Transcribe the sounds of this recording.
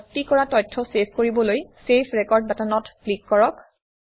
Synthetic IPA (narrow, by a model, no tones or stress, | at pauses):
tːikɔɹatɔjtʰːɔsepʰkoɹibɔlojsepʰɹɛkɔɹd̚batanɔtplikːɔɹɔk